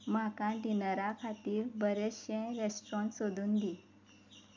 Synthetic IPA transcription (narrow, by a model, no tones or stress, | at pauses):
makãɖinəɾakʰat̪iːɾbəɾeɕɛ̃ɾesʈɾɔ̃ɳʈsod̪uːnd̪i